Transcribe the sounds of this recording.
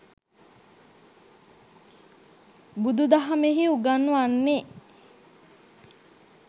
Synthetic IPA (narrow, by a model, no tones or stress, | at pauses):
bud̪ud̪aɦameɦiuɡanːuanːe